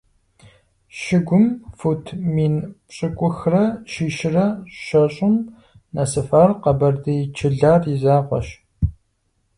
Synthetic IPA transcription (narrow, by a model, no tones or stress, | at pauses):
ʃɪɡʷʊmfutʰmiːnpɕʼɨkʷʼʊxrɐʃiːʃɪrɐʃɐɕʼʊm | nɐsɨfaːrqɐbɐrdɐjt͡ʃʰɪɮaːrizaːʁʷɐ̰ʃ